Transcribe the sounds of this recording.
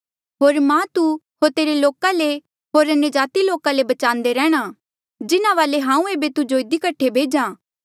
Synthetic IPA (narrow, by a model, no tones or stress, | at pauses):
ɦoːɾmãt̪u | ɦoːɾt̪eːɾeloːkale | ɦoːɾɐnjəd͡ʒaːt̪iloːkãlebɐt͡ʃãːnd̪eɾɛ̃ːɽ̃a | d͡ʒɪnãʋaːleɦãːũeːbet̪ud͡ʒoːɪd̪ikəʈʰːebʱeːd͡ʒãː